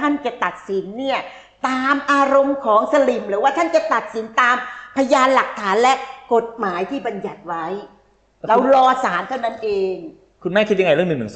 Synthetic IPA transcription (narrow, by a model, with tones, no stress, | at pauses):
a˥˩nt͡ɕa˨˩t̪a˨˩t̪̚si˩˦nːi˥˩ɐ | t̪aː˧mʔaː˧ɾo˧mkʰɔː˩˦ŋsa˧li˨˩mɾɯː˩˦waː˥˩t̪ʰa˥˩nt͡ɕa˨˩t̪a˨˩t̪̚si˩˦nt̪aː˧mpʰa˧jaː˧nla˨˩k̚t̪ʰaː˩˦nlɛ˦˥ko˨˩t̪̚maː˩˦jt̪ʰiː˥˩ba˧nja˨˩t̪̚wa˦˥j | ɾa˧wwlɔː˧saː˩˦nt̪ʰa˥˩wna˦˥nʔeː˧ŋ | kʰu˧nmɛː˥˩kʰi˦˥ja˧ŋa˧jɾɯ˥˩ənɯ˨˩ŋmɯ˩ŋ